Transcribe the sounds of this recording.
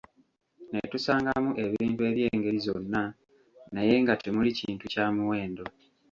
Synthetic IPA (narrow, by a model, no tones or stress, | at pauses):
netusaːŋɡamuʔe̞βiiːmpwe̞ːβje̞ːŋɡe̞ɾizo̞nːa | naje̞ŋɡatemuliciːntucaːmuwe̞ːndo̞